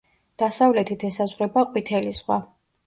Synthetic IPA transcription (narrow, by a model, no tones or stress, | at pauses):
d̪̥asavlɛt̪ʰit̪ʰɛsazʁɾɛbaqʼwit̪ʰɛliz̥ʁwa